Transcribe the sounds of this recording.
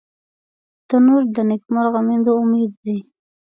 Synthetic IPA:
d̪̥ənuɾd̪ənɪkmaɾɣamend̪oʊmed̪̚d̪i

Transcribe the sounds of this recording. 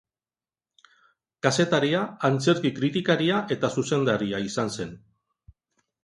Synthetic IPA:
kase̞t̪aɾiaːnt͡se̞ɾkikɾit̪ikaɾiaʔe̞t̪asuse̞nd̪aɾiaisanse̞n

